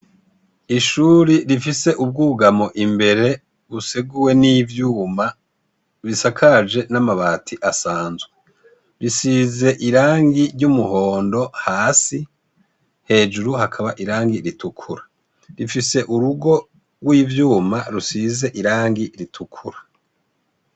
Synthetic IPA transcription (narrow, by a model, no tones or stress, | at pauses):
iʃuːɾiɾifise̞ʔub̚ɡuːɡamo̞ʔimbe̞ɾe̞ | βuseɡuwe̞nivjuːma | βisakʰad͡ʒe̞namaβaːtʰiʔasaːnzwe | ɾisize̞ʔiɾaːŋɡiɾɟumuho̞ːndo̞haːsi | he̞ːd͡ʒuɾuhakʰaβaʔiɾaːŋɡiɾitʰukʰuɾa | ɾifise̞ʔuɾuɡo̞ | ɡwiːvjuːmaɾusize̞ʔiɾaːŋɡiɾitʰukʰuɾḁ